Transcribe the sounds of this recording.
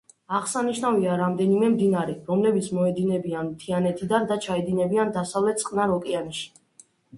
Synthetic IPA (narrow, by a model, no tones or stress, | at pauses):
aʁsaniʃnaviaɾamd̪ɛnimɛmd̪inaɾɛɾɔmlɛbit̪sʰmɔɛd̪inɛbiant̪ʰianɛt̪ʰid̪and̪at͡ʃʰaɛd̪inɛbiand̪asavlɛt̪̚ʰsʼqʼnaɾɔkʼianiʃi̥